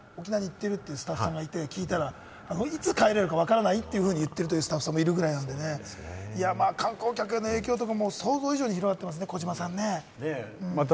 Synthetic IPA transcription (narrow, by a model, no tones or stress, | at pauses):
o̞kʲinaɲ̟iːt̪ːe̞ɾɯ̟t̪ːe̞jɯːsɨ̥t̪aɸːɯ̥sãŋɡait̪e̞kʲiːt̪aɾa | anoit͡sɨkaeɾe̞ɾɯ̟kaβ̞akaɾanait̪ːe̞jɯ̟ɸɯ̟ːɲ̟ijɯ̟t̪ːe̞ɾɯ̟t̪o̞jɯ̟sɨ̥t̪aɸɯ̥sãmːoiɾɯ̟ɡɯɾainãnd̪e̞ne̞iamaːkãŋko̞ːkʲake̞nːo̞e̞ːkʲo̞ːt̪̬o̞kamo̞ːso̞ːzo̞ːiʑo̞ːɲ̟içiɾo̞ɡat̪ːe̞mas̬ɨne̞ko̞d͡ʑimasãnːe̞ | ɯ̃ː